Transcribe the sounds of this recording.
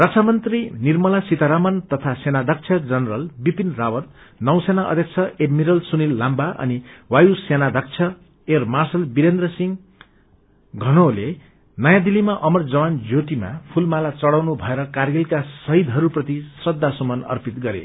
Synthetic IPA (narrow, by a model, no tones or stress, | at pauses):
rʌt͡sʰamʌnt̪rinirmʌlasit̪aɾamʌnt̪ʌt̪ʰasenad̪ʱʌk̚t͡sʰʌd͡zʌnrʌlbipinrawʌt̪̚ | nʌw̃senaʔʌ̰d̪ʱjʌk̚t͡sʰʌeɖmiɾʌlsunilːambaʔʌ̰niwajusenad̪ʱʌk̚t͡sʰʌ | ermarsʌlbiɾend̪rʌsiŋ | ɡʱʌnole | nʌjãd̪ilimaʔʌmʌrd͡zʌwand͡zot̪ima̰pʰulmalat͡sʌɽawnubʱʌeɾʌkarɡilkasʌɦid̪ʱɦʌɾuprʌt̪isrʌd̪ːasumʌnʌ̰rpit̪ɡʌɾḛ